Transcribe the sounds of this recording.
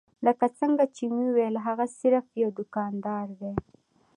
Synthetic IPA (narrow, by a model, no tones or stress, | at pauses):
ləkat͡səŋɡat͡ʃemiwelɦaɣasɪɾfjawd̪ʊkɑnd̪ɑɾd̪e